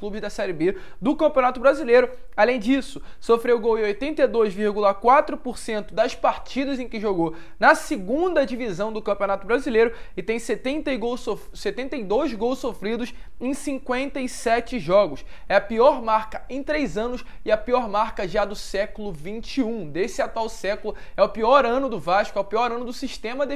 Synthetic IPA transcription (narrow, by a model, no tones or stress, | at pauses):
klˠubɪzd̪ɐsɛɾɪbe | d̪ʊkɐ̃mpiõnat̪ʊbɾazilejɾʊ | alẽj̃d͡ʒisʊ | sofɾewɡowẽojt̪ẽnt̪ejd̪ojzviɾɡulɐkwat̪ɾʊpoɾsẽnt̪ʊd̪ɐspaɾt͡ʃid̪ɐzẽj̃kɪʒoɡow | nɐsɪɡũd̪ɐd͡ʒivizɐ̃w̃d̪ʊkɐ̃mpʲionat̪ʊbɾazilejɾʊɪt̪ẽj̃set̪ẽnt̪ejɡowsofset̪ẽnt̪ejd̪ojzɡowssofɾid̪ʊs | ẽj̃sĩŋkwẽnt̪ɐisɛt͡ʃɪʒɔɡʊsɛɐpiɔɾmaɾkɐẽj̃t̪ɾejzɐ̃nʊsɪɐpiɔɾmaɾkɐʒad̪ʊsɛkʊlʊvĩnt͡ʃiũd̪esɪat̪uawsɛkʊlʊɛʊpiɔɾɐ̃nʊd̪ʊvaʃkʊɛʊpiɔɾɐ̃nʊd̪ʊsiʃt̪ẽmɐd̪e